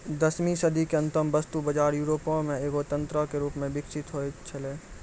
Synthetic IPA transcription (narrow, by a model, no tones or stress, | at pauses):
d̪əsmisɐd̪ikeɐ̃nt̪əmbəst̪ubəd͡ʒaːɾjuːɾoːpõmẽeːɡot̪ə̃nt̪ɾəkeɾuːpmẽbɪkʃɪt̪ɦoet͡ʃʰəleː